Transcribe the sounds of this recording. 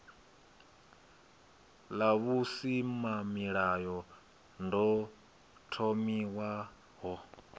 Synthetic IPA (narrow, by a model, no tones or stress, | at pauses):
laβusimamiɺajɔ | ndɔ | tʰomiwa | ɦɔ